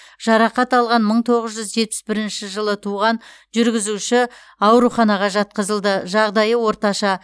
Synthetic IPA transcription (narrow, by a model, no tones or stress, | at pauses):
ʒ̥ɑɾɑqɑt̪ɑlˠʁɑnməɴt̪ʰo̞ʁəzʒʏzʒe̞t̪̚pɪ̥sbɪɾɪnʃɪʒəlˠət̪ʰuʁɑnʒʏɾɡʲɪzuʃɪ | ɑwɾuχɑnɑʁɑʒɑt̪̚qəzəlˠd̪əʒɑʁd̪ɑjəwo̞ɾt̪ɑʃɑ